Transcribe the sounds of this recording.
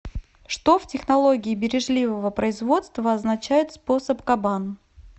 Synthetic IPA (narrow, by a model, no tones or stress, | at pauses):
ʂt̪o̞ftʲɪxnɐlˠo̞ɡʲɪːbʲɪɾʲɪʐlʲivəvəpɾəɪzvo̞t̪st̪vəɐznɐt͡ɕæjɪt̪spo̞səpkɐban